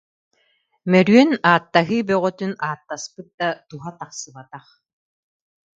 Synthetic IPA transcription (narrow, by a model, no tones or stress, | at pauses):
mɛɾyœnaːt̪ːaɦɯːbœʁœt̪ynaːt̪ːaspɯt̪̚d̪at̪uɦat̪aqsɯbat̪aχ